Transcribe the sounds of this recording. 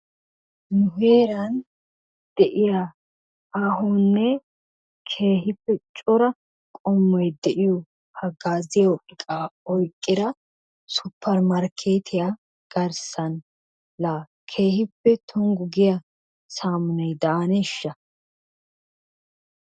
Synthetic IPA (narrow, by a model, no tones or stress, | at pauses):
nʊɦeːɾɐn | d̪̥ɛʔɪja | aːɦɔnːɛ | kʰe̞ːɦɪpːɛt͡ʃʼɔɾɐ | kʼɔmːɔjd̪ɛʔɪjɔ | hɐɡaːzɪjoɪkʼaɔjkʼːɪd̪ɐ | sʊpʰːɐɾmɐɾkʰe̞ːt̪ʰɪja | ɡ̥ɐɾsɐn | lɐ | kʰe̞ːhɪpːɛt̪ʰɔŋɡʊɡɪjɐ | saːmʊnɛjd̪ɐɐnɛʃːɐ